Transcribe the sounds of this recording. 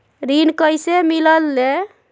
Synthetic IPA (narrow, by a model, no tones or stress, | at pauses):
ɾinkəjsemiləlːe